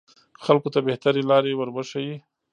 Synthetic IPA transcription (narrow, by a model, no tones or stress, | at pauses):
xalkot̪abeht̪aɾelɑɾewəɾbəʃaji